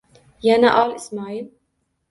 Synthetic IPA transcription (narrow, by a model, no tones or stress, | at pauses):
janaʔɑːlɪsmaːʕiːl